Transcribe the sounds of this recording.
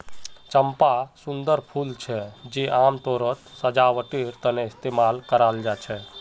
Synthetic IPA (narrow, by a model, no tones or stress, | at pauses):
t͡ʃəmpasʊnd̪əɾpʰult͡ʃʰɛd͡ʒeʔaːmt̪oːɾət̪səd͡ʒaʋəʈiɾt̪əneɪst̪emalkəɾald͡ʒat͡ʃʰɛ